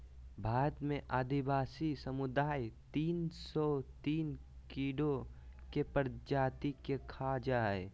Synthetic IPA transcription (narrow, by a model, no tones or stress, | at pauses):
bʱaːɾət̪mẽʔaːd̪ibaːsisəmʊd̪aːit̪iːnsɔt̪iːn | kiːɖokepəɾd͡ʒaːt̪ikekʰad͡ʒaːe